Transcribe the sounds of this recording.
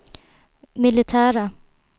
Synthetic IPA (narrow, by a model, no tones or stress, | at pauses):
mɪlɪt̪ʰæːɾa